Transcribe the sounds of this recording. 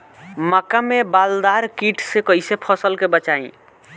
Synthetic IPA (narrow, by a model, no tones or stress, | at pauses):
makamebald̪aɾkiʈʰsekʌisepʰʌsəlkebət͡ʃaĩ